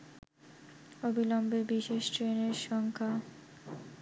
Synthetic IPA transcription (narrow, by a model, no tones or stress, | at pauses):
obilɔmbebiʃeʃʈɾeneɾʃɔŋkʰa